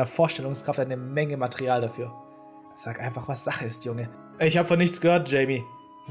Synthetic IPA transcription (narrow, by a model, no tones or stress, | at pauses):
nɐfoːɐʃtɛlʊŋskʁ̥aftʔaɪnəmɛŋəmatʰɛʁiaːldafyːɐ | z̥aːkʔaɪnfaχv̥asz̥aχəɪstjʊŋə | ɪçhaːbəfɔnːɪçt͡sɡ̥əhøːɐt̚d͡ʒ̥ɛɪmi | z̥